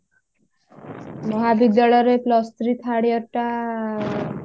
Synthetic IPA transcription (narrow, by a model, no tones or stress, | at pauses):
mɔɦabid̪jalɔjɾeplɔst̪ɾit̪ʰaɽjɔɾʈa